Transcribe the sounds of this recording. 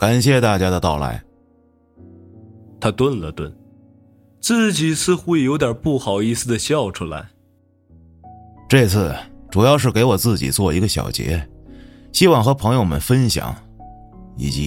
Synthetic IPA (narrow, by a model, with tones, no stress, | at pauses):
ka˨˩nɕ̬jɛ˥˧t̪a˥˩t͡ɕja˥d̪ə˨t̪ɑ˥˩ʊla̰˧˥ɪ | t̪ʰa˥t̪wə˥˧nlə˩t̪wə̰˥˩n | t͡sɹ̩˥˩t͡ɕi˨˩sɹ̩˥˧xu˥˨jo˧˥ʊt̪jə˞˨˩pu˥˩xɑ˨˩ʊi˥˩sɹ̩˩d̪ə˩ɕjɑ˥˩ʊʈ͡ʂʰu˥la̰˧˥ɪ | ʈ͡ʂɤ˥˧t͡sʰɹ̩˥˩ʈ͡ʂu˨˩jɑ˥˧ʊʂ̬ɻ̩˥˩ke˧˥ɪwɔ˨˩t͡sɹ̩˥˩t͡ɕḭ˨˩t͡swɔ˥˩i˧˥ɡə˧ɕjɑ̰˨˩ʊt͡ɕjɛ̰˧˥ | ɕi˥wɑ˥˩ŋxɤ˧˥pʰɤ˧˥ŋjo˥˧ʊmə̰˨nfə˥nɕjɑ̰˨˩˦ŋ | ḭ˨˧˩t͡ɕi˧˥